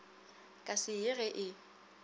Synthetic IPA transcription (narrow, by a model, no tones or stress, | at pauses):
kʼasɪɪɣɛʔɪ